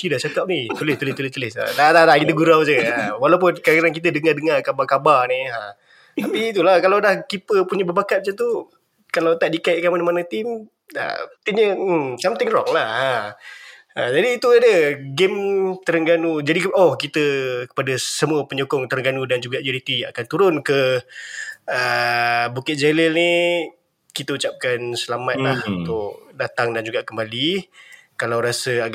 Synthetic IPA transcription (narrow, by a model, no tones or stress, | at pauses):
t̪idaʔt͡ʃakap̚nit̪ulɪst̪ulɪst̪ulɪst̪ulɪsa̰t̪at̪at̪aʔkit̪əɡuɾawd͡ʒəawalawp̬ʊnkakaɾaŋkit̪̬ədəŋardəŋarkabarkabarnia | t̪apiːt̪ulahkalawdahkipəpuɲəbəbakat̪̚mət͡ʃat̪u | kalawt̪aʔdikaɪʔkanmanamanət̪ɪm | ə̰t̪iɲəsamt̪ɪŋrɔŋlaha | ad͡ʒadiːt̪uadəɡɪmt̪əɾəŋɡanud͡ʒadiɔhkit̪əkə̥padasəmuəpəɲukʊŋt̪əɾəŋɡanudand͡ʒuɡaʔd͡ʒaɾit̪ia̰kant̪uɾʊnkə | əbukɪt̪̚d͡ʒaləlni | kit̪əut͡ʃap̚kansəlamat̪̚lahunt̪ʊk̚dat̪aŋdand͡ʒuɡakəmbali | kalawɾasəa